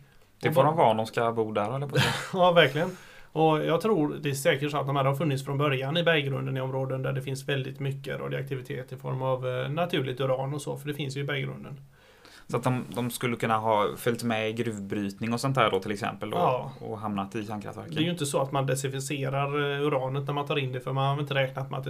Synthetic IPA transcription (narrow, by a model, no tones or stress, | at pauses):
d̪̥ɛfɔɾɔmvɑnd̪ɔmskabuːd̪æɾɛlːəɾpʰɔɛɑːvæɾklɪɡən | ʔɔjɑːɡt̪ʰɾuːɾd̪ɛæʂɛːkəʈʂsɔat̪̚d̪ɔmhæːɾhaɾfɵnːɪt̪sfɾɔnbœɾjanɪbɛɾɡɾɵnd̪ənɪɔmɾoːd̪ənd̪æɖɛfɪnsvɛld̪ɪt̪mʏkːəɾɔ̰ːd̪ɪ̰a̰k̚t̪ʰɪvɪt̪ʰeːt̪ɪfɔ̰ɾmavnat̪ʰʉ̟ːɭɪt̪ɵɾɑːnɔsɔ̰ːfœɖɛfɪnsjɵɪbɛɡɾɵ̰nd̪ən | sɔat̪̚d̪ɔmd̪ɔmskɵlːəkʰɵnːaɦɑːfœlʲt̪mɛɪɡɾʉ̟ːvbɾyːt̪nɪŋɔsɔnt̪æːɖɔt̪ʰɪlɛksɛ̰mpəld̪ɔːɔ̰ɦamnat̪ɪɕaŋkʰɾa̰ft̪væ̰ɾkd̪ɛjʏɪnt̪əsɔat̪mand̪ɛsɪfɪseːɾaɾʉɾɑːnət̪næɾmant̪ʰɑːɾɪnd̪ɛfœɾmanhaɾɪnt̪əɾɛːknat̪mɛat̪